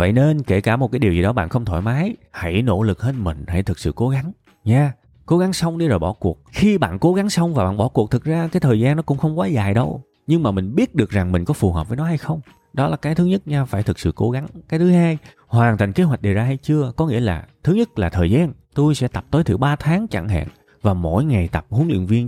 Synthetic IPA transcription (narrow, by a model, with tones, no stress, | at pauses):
və̰˧˨jne˧nke˧˩kaː˧˩mo˨˩aː˨˦ɗi˨˩əzi˨˩ɗɔ˨˦ɓa̰ː˧˨nxə˧wŋ͡mt̪ʰɔ̰ː˧˩jmaː˨˦jha̰˧˩jno̰˧˥lɨ˨˩k̚he˦˥t̚mï˨˩ŋ̟ha˧˩jt̪ɨ˨˩k̚sɨ̰˧˨ko˨˦ɣa˨˦ŋ | ɲaː˧ | ko˨˦ɣa˨˦ŋsə˧wŋ͡mɗi˧zoː˨˩jɓɔ˧˩ku˨˩ək̚xi˧ɓa̰ː˧˨nko˨˦ɣa˨˦ŋsə˧wŋ͡mvaː˨˩ɓa̰ː˧˨ɓɔ˧˩ku˨˩ək̚t̪ʰɨ˨˩k̚zaː˧kaː˨˦jt̪ʰəː˨˩jzaː˧nːɔ˨˦kʊ̰˧˥ŋ͡mxə˧wŋ͡mkwaː˨˦zaː˨˩jɗə˧w | ɲɨ˧ŋmaː˨˩mï˨˩ŋ̟ɓi˦˥ət̚ɗɨ˨˩ək̚za˨˩ŋmï˨˩ŋ̟kɔ˨˦fu˨˩həː˨˩p̚vəː˨˦jnɔ˨˦ha˧jxə˧wŋ͡m | ɗɔ˨˦laː˨˩kaː˨˦t̪ɨ˨˦ɲə˦˥t̚ɲaː˧wfaː˧˩jt̪ʰɨ˨˩k̚sɨ̰˧˨ko˨˦ɣa˨˦ŋkaː˨˦jt̪ʰɨ˨˦ɦaː˧j | hwaː˨˩nt̪ï˨˩ŋ̟ke˨˦ɦwa˨˩jk̚ɗe˨˩wzaː˧ɦa˧jt͡ɕɨ˧əkɔ˨˦ŋḭ˧˥əlaː˨˩t̪ʰɨ˨˦ɲə˦˥t̚laː˨˩t̪ʰəː˨˩jzaː˧n | t̪o˧jsɛ̰˧˥t̪a˨˩p̚t̪oː˨˦jt̪ʰɨ˧˩ɓaː˧t̪ʰaː˨˦ŋt͡ɕa̰˧˩ŋɦa̰ː˧˨n | vaː˨˩mo̰˧˥jŋa˨˩jt̪a˨˩p̚hu˨˦ənlḭ˧˨ənvi˧ən